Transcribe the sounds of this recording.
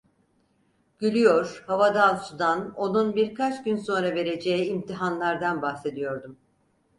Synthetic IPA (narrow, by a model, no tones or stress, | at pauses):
ɟ̥ylʲyjoɾ̥havad̪alˠsud̪ano̞nunbiɾkʰat͡ʃɟynso̞nɾave̞ɾe̞d͡ʒejiːmt̪ʰiɦanlˠaɾd̪anbahse̞d̪ijo̞ɾd̪um